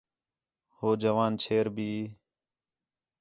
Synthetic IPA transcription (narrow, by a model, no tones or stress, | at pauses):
hoːd͡ʒəʋaːnt͡ʃʰeːɾbʱiː